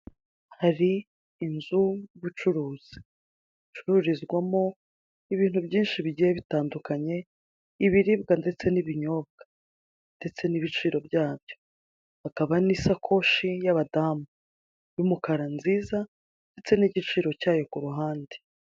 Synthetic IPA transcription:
haɾiː | nzujβut͡ʃuɾuːz̥i̥ | it͡ʃuɾuɾizɡwamo̞ | iβiːn̥hubɟiːnʃiβiɟijeβitaːndukaɲe̞ | iβiɾibɡande̞t͡se̞niβiɲo̞ːb̚ɡ̥a | nde̞t͡se̞niβit͡ʃiːɾo̞bjaːbjo̞ | hakaβanisakʰo̞ʃijaβadaːmu | jumukaɾanziːza | nde̞t͡se̞niɟit͡ʃiːɾo̞caːjo̞kuɾuɦaːnde

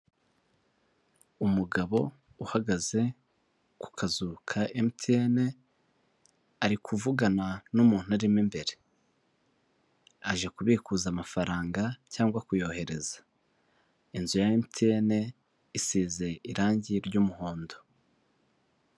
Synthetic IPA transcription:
umuɡaβo̞ | uhaɡaze̞ | ku̥kʰazukʰaʔemitʰiene̞ | aɾikʰuvuɡananumuːn̥uaɾimimbe̞ɾe | aʒekuβiːkuːzaːmafaɾaːŋɡacaːŋɡwakujo̞ːhe̞ɾe̞zḁ | inzujaemtʰiene̞ | isiːze̞iɾaːɲɟiɾɟuːmuho̞ːndo̞

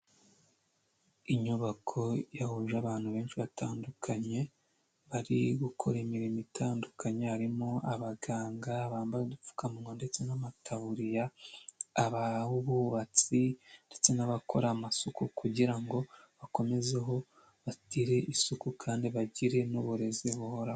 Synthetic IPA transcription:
iɲuβakʰo̞jahuʒaβaːn̥huβe̞ːnʃiβatʰaːndukʰaɲe̞ | βaɾiɡukʰo̞ɾemiɾimitʰaːndukʰaɲeaɾimoaβaɡaːŋɡaːβaːmbadufu̥kamuŋonde̞t͡se̞namatʰaβuɾijaː | βauβuβat͡sinde̞t͡se̞naβakʰo̞ɾamasukukuɟiɾaŋɡo̞βako̞me̞ze̞ɦo̞ | βatiɾe̞ʔisukukʰaːndiβaɟiɾe̞nuβuɾe̞ziβuho̞ɾa

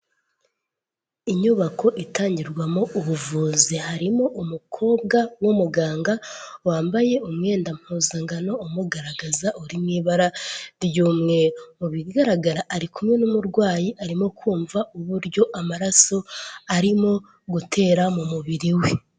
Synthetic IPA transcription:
iɲuβako̞ʔitaːɲɟiɾɡwamo̞ʔuβuvuːzehaɾimo̞ʔumukʰo̞ːbɡawomuɡaːŋɡawaːmbaje̞umŋe̞ːndam̥huːzaŋɡano̞ːmuɡaɾaɡazaʔuɾimŋiːβaɾaɾjuːmŋe̞uβiɡaɾaɡaɾaʔːɾikumŋe̞numuɾɡwaːjiʔaɾimo̞kʰuːɱvaʔuβuɾɟo̞ʔamaɾaso̞aɾimo̞ | ɡutʰe̞ːɾamumuβiɾiwe

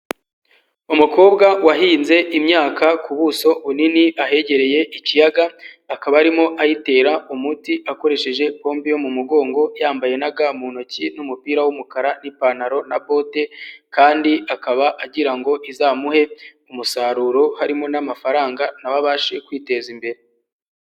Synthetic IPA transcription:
umuko̞ːbɡawaɦiːnze̞ʔimɲaːkʰakuβuso̞βuniniʔaɦe̞ɟe̞ɾe̞je̞ʔicijaɡaːkaβaaɾimo̞ʔajite̞ːɾaumutiʔako̞ɾe̞ʃe̞ʒe̞ko̞ːmbijo̞mumuɡo̞ːŋɡo̞jaːmbaje̞naɡamunocinumupiːɾawumukaɾanipanaɾo̞nabo̞ːte̞kaːndiakaβaʔaɟiɾaŋɡo̞ʔizaːmuhe̞ | umusaːɾuːɾo̞haɾimo̞namafaɾaːŋɡanaβaβaːʃe̞kwiːte̞zimbe̞ɾe

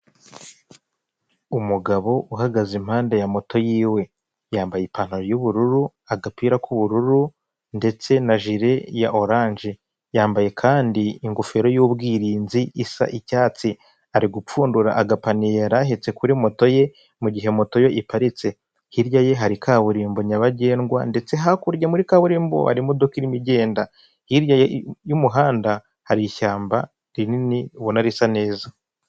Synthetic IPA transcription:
umuɡaβo̞ʔuɦaɡazim̥haːndejamo̞to̞jiːwe̞ | jaːmbajipan̥oɾjuβuɾuɾu | aɡapiːɾakuβuɾuɾu | nde̞t͡se̞naʒiɾe̞jaʔo̞ɾaːɲʒe | jaːmbaje̞kʰaːndiiŋɡufe̞ɾo̞juːbɡiːɾiːnziisa̰ʔicaːt͡si | aɾiɡup͡fuːnduɾaʔaɡapanijeɾaɦet͡se̞kuɾimo̞to̞je̞ | muɟiɦe̞moto̞jo̞ʔipaɾit͡se̞ | hiɾjaje̞ɦaɾikʰaβuɾiːmbo̞ɲaβaɟe̞ːŋɡwa̰nde̞t͡se̞ɦakuɾɟamuɾikaβuɾiːmbo̰ha̰ɾimud̪okiɾimiɟe̞ːnda | hiɾjajejumuɦaːnda | haɾiʃaːmba | ɾininiuβonaɾisane̞ːza

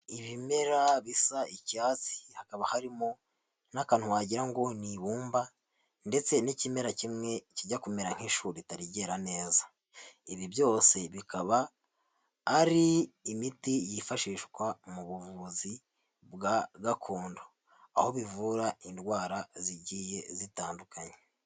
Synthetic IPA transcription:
iβime̞ɾaβisaicaːt͡si̥hakaβahaɾimo̞ | nakaːnhuwaɟiɾaŋɡo̞niβuːmba | nde̞t͡se̞nicime̞ɾacimŋe̞ciɟakume̞ɾaŋ̥heʃuːɾitaɾiɟe̞ɾane̞ːza | iβibjo̞ːse̞βikaβaː | ɾiːmitijifaʃiːʃkwamuβuvuzi | bɡaɡakʰoːndo | a̰ho̞βivuːɾaindwaːɾaziɟiːje̞zitaːndukaɲe̥

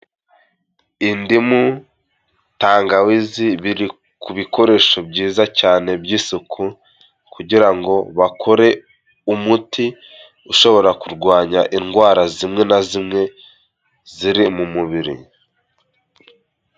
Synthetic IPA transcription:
indimu | taːŋɡawiziβiɾi | kʰuβikʰo̞ɾe̞ʃo̞bɟiːzacaːne̞bjiːsokʰu | kuɟiɾaŋɡo̞βakʰo̞ɾe̞ | umuti | uʃo̞βo̞ɾakuɾɡwaːɲaʔinɡwaːɾazimŋe̞nazimŋe̞ | ziɾimumuβiɾḭ

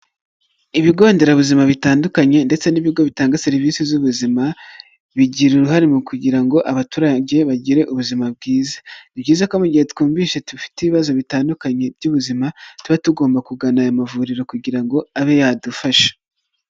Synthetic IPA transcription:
iβiɡo̞ːnde̞ɾaβuzimaβitaːndukaɲe̞nde̞t͡se̞niβiɡo̞βitaːŋɡaseɾiviːsizuβuzima | βiɟiɾuɾuɦaɾimukuɟiɾaŋɡo̞ʔaβatuːɾaɟe̞βaɟiɾe̞ʔuβuzimab̚ɡiːzḁibɟiːzako̞muɟihe̞tu̥kuːmbiːʃetufi̥teiβiβazo̞βitaːndukaɲe̞bɟuβuzimatuβatuɡo̞ːmbakuɡanaːjomavuɾiɾo̞kuɟiɾaŋɡo̞aβe̞jaːdufaʃe̥

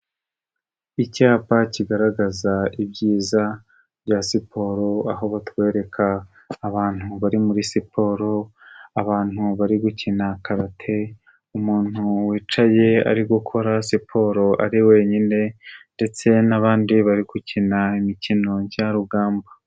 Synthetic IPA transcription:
icaːpaciɡaɾaɡazaibɟiːza | βɟaːsipʰo̞ːɾo̞aɦo̞βatwe̞ːɾe̞kʰaː | βaːn̥huβaɾimuɾisipʰo̞ːɾo̞aβaːn̥huβaɾiɡucinakaɾatʰe̞ | umuːn̥uwiːt͡ʃaje̞a̰ɾiɡukʰo̞ɾasipʰo̞ːɾo̞ʔa̰ɾiwe̞ːɲine̞nde̞t͡se̞naβaːndiβaɾiɡ̥ucinaimicino̞ɲɟaɾuɡaːmba

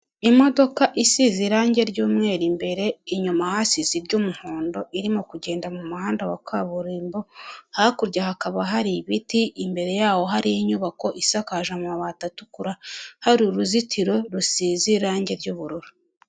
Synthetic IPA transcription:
imo̞do̞kaʔisiziɾaːɲɟe̞ɾɟuːmŋe̞ːɾimbe̞ɾe̞iɲumahasiziɾɟuːmuhoːndo̞ʔiɾimokuɟe̞ːndamumuhaːndawakʰaβuɾiːmbo̞hakuɾɟahakaβaɦaɾiβitiːmbe̞ɾe̞jaːho̞ɦaɾijiɲuβako̞ʔisakaʒamumaβaːtatukuɾahaɾiɾuzitʰiɾo̞ɾusiːziɾaːɲɟe̞ɾɟuːβuɾuɾu

